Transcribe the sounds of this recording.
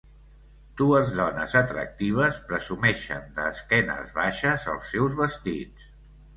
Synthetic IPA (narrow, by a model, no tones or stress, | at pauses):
d̪̥uəzðɔnə̰zət̪ɾə̰k̚t̪iβ̞əspɾəzumɛʃə̰nd̪əːskɛnə̰zβaʃəzə̰lˠsːɛwzβəst̪it͡s